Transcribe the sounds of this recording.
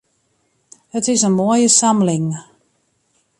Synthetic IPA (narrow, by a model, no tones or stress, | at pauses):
ətɪsənmoəjəsaməlɪŋ